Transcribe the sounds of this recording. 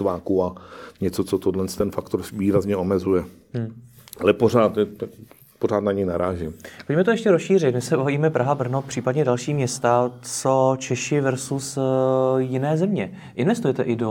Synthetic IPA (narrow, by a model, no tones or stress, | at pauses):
t̪vaːkuaɲɛt͡sot͡sot̪odlɛnst̪ɛnfakt̪o̞ɾviːɾazɲɛo̞mɛzujɛ | m̩ːalɛpoɾaːt̪ɛa | poɾ̝aːt̪naɲɛjnaɾaːʒɪmpocmɛt̪ojɛʃcɛɾosʃiːrɪt̪mɪsɛvɦaviːmɛpɾʔaɦabr̩nopr̝̥iːpadɲɛdalʃiːmɲɛst̪at͡sot͡ʃɛʃɪvɛɾsus | jɪnɛːzɛmɲɛ | ʔɪnvɛst̪ujɛt̪ɛʔɪdo